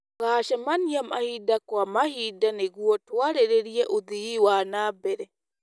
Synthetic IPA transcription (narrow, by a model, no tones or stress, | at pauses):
ɡaːʃɛmanjamahidakɔamahidanɛɡuwɔtuwaɾɛɾɛɾijaʔud̪ijiwanabɛɾɛ